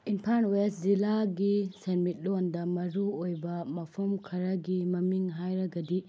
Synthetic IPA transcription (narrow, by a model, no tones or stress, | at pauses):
inpʰaɾnweszilaɡisenmit̚londɐmɐɾuojbɐmɐpʰɐmkʰɐɾɐɡimɐmiŋɦajɾɐɡɐdi